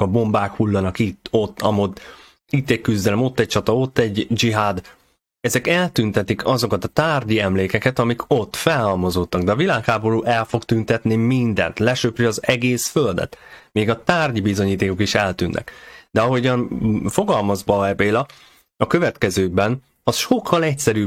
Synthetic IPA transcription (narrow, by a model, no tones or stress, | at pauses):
ɒbo̞mbaːkhulːɒnɒkit̪ːo̞t̪ːɒmot̪ː | it̪ːɛc̚kyzd̪ɛlɛmo̞t̪ːɛc̚t͡ʃɒt̪ɒo̞t̪ːɛɟd͡ʒiɦaːd̪ | ɛzɛkɛlt̪ynt̪ɛt̪ikʰɒzo̞kɒt̪ɒt̪aːrɟiɛmleːkɛkɛt̪ɒmikʰo̞t̪ːfɛlhɒlmɒzot̪ːɒɡd̪ɛɒvilaːkhaːbo̞ɾuːʔɛlfo̞kt̪ynt̪ɛt̪nimind̪ɛ̰nt̪lɛʃøprɛɒzɛɡeːsføld̪ɛ̰t̪meːɡɒt̪aːrɟibizo̞ɲiːt̪eːko̞kiʃɛlt̪ynːʔɛ̰kd̪̥ɛɒɦo̞ɟɒnfo̞ɡɒlmɒzbɒːɛbeːlɒ | ɒkø̞vɛt̪kɛzøːɡ̚bɛn | ɒsʃo̞kʰːɒlɛcsɛɾyː